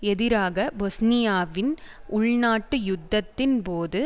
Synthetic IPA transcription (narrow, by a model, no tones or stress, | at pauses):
ɛðɪɾaːɣɐbɔsnɪjaːʋɪnʊɭnaːʈːɯjʊd̪ːɐt̪ːɪnpoːðɯ